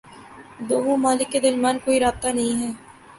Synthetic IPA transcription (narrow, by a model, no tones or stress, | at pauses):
d̪oːnõmaːlɪkːed̪ɐɾmaːnkoːiɾaːb̚t̪anɐɦĩɦɛː